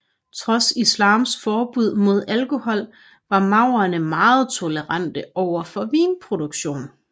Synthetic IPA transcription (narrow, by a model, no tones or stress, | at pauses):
t͡sʰʁɒ̽sislɑ̈ːmsfɒːb̥uð̞̰ˠmo̝ð̞ˠælko̝hɒ̽l̰ | ʋɑ̈mɑ̈ʊɐnəmɑ̈ːð̞̩ˠt͡sʰo̝ləʁɑn̰d̥əʔɒʊ̰ɐfɒ̽ʋiːnpʰʁo̝d̥oɡ̥ɕo̝̰ːn